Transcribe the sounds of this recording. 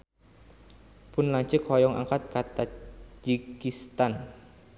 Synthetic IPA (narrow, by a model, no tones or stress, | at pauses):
pʊnlaɲt͡ʃəkhɔjɔŋʔa̰ŋkat̪̚kat̪ad͡ʒikist̪an